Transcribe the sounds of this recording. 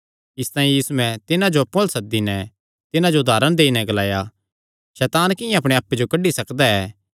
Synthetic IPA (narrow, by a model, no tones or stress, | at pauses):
ɪst̪aːĩjiːsuɛ̃t̪ɪnãd͡ʒopolsɐd̪inɛ | t̪ɪnãd͡ʒod̪aːɾəɽ̃d̪eːinɛɡɐlaːja | ʃɛːt̪aːnkɪjãɐpɽ̃eaːpːed͡ʒokɐɖːisɐkd̪aɛː